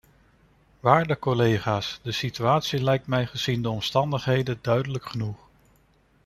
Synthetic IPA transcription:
ʋaːɹdəkɔlejχaːsdəsityaːtsilɛjk̚tmɛjχəz̥indəɔmstɑndəχɦejdədœɥdələkχənuχ

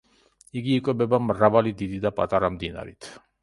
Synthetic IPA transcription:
iɡiːkʼwɛbɛbamɾavalid̪id̪id̪apʼat̪ʼaɾamd̪ina̰ɾḭt̪ʰ

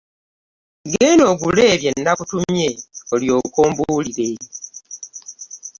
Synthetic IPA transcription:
ɡeno̞ːɡule̞ːβje̞nːakutumje̞oljo̞ːkoːmbuːliɾe

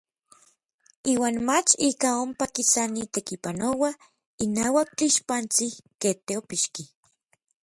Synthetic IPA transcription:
iːwaːnmat͡ʃikaompakisanit̪ekipanowa | inaːwak̚t͡ɬiʃpant͡siket̪eopiʃki

